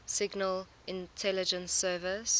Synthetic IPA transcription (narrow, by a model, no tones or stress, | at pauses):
sɪɡnəl | ɪ̃ntʰɛlɪd͡ʒə̃nsɜːvɪs